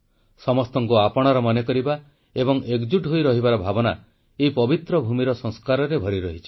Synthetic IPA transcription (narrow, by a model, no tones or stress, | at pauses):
sɔmɔst̪ɔŋkuapɔɽ̃aɾɔmɔnekɔɾiba | ebɔŋekd͡ʒuʈɦojɾɔɦibaɾɔbʱabɔna | eipɔbit̪ɾɔbʱumiɾɔsɔŋskaɾɔɾebʱɔɾiɾɔɦit͡ʃʰi̥